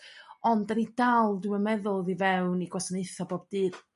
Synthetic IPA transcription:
ɔndənid̥alˠdɪwəmɛðʊlˠðivɛwniɡwasənejθɔboːb̚dɨːr

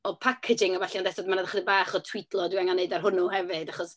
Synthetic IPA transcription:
ɔpʰakʰɪd͡ʒɪŋɔbaɬɛɔndɛstɔdmanadðaχədəbaːχɔtʰw̥itʰlˠɔdwaŋaneɨdarɦʊnuhɛvɨdaχɔs

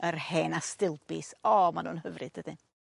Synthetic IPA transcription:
ərheːnastɪlˠbɪsɔmanuːnhəvrɨdəd̥ɪ

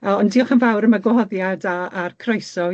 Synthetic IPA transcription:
əɔndiɔχənvawɾəmaɡwhɔðjadaːrkʰrejsɔ

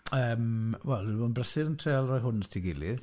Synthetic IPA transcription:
əːmwɛlˠɪbɔːnbrəsɪɾəntʰreːalˠrɔjɦʊnətʰiɡɪli

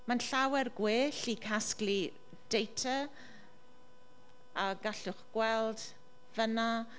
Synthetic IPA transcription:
manɬawɛrɡweːɬikʰaskli | d̥ejtʰə | aɡaɬʊχɡ̥wɛlˠd | vəna

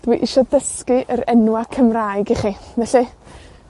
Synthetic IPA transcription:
d̥wiʔɪʃɔdəskɨʔəɾɛnwakʰəmrajɡiχivɛɬi

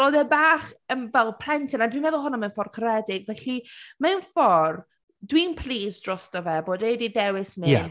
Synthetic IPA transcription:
ɔðɛbaːχənvɛlˠpʰrɛntʰɪnadwinmɛðʊlˠɦʊnɔmanfɔrkʰrɛdɪɡvɛɬimanfɔr | dwiːnpʰliːsd̥rɔstɔvɛboːdedidɛwɪsmiɛ

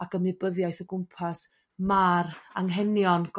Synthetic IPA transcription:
akʰəmɪbəðjajθɔɡʊmpʰas | maraŋɦɛnjɔnɡ̥

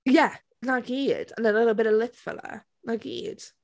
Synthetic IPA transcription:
jæ | nakiːd̥ə̰̃nəlɪɾl̩ˠbɪɾəlɪpfə̰lə̰ | nakḭd̥

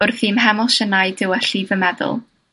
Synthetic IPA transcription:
ʊrθiːmɦamɔʃənajdɪwɛɬiːvəmɛðʊ̰lˠ

